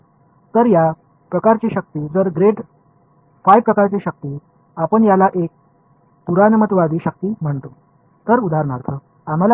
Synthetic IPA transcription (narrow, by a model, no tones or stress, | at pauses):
t̪əɾja | pɾəkaɾt͡ɕiɕək̚t̪iːd͡zəɾɡɾeɖ | fajpːɾəkaɾt͡ɕiɕək̚t̪iː | apəɳjalaʔek̚ | puɾanəmət̪ʋad̪iːɕək̚t̪iːm̤əɳt̪o | t̪əɾud̪ʱaɾɳaɾt̪ʰə | am̤ala